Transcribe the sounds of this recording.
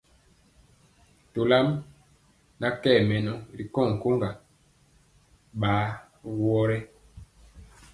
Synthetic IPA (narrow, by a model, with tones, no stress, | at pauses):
to˨la˦m | na˦kɛː˦˨mɛ˨nɔ˨ɾi˨kɔ˦˨ŋ̩˨ko˦ŋɡa˨ | ɓaː˨˦ | wɔ˦ɾɛ˦